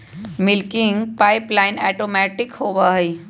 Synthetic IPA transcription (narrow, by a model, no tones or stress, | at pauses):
mɪlkɪŋɡpaːɪplaːɪnɛːʈoːmɛːʈɪkhoːbaɦɛi